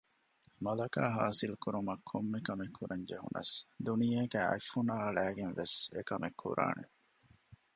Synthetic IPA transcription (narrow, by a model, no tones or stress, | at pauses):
mɐlɐkaːɦaːsilkuɾumɐkʰːomːekɐmekhuɾɐɲd͡ʒeɦṵnɐ̰sd̪unijeːɡæːɐ̰fːunaːɐɭæːɡenʋesekɐmekʰːṵɾa̰ːnʔḛ